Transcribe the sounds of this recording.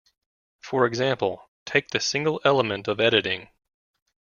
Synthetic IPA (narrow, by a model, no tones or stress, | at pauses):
fə˞ɨɡzæ̃mpl̩ˠ | tʰeɪk̚ðɨsɪ̃ŋɡl̩ˠɛlˠəmɨ̃ntʌvɛɾɨɾɪ̃ŋ